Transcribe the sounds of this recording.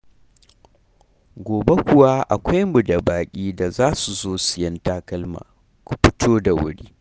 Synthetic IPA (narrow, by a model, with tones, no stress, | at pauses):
ɡʷoː˨be˦kʷʊ˨wa˦ʔa̰˨kʷa˦jmʊ˨da˨baː˨kʲʼiː˦da˨zaː˦su˨zoː˦sɪ˨jɐ˦ntaː˦kɐ˦lma̰ː˨ | kʷu˨ɸɪ˦tʰoː˦da˨wʊ̰˦ɽiː˦